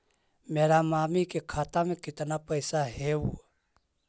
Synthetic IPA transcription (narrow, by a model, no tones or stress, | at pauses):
meːɾamaːmikekʰaːt̪amẽkɪt̪napəjsaɦɛu